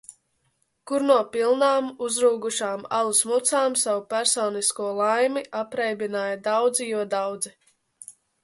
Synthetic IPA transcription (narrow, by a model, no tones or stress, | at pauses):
kuɾnuɔpilˠnaːmuzɾuːɡuʃaːma̰lˠusmut̪saːmsawupæɾsɔːniskuɔlˠajmiʔapɾɛjbinaːjad̪awd̪zijuɔd̪awd̪zi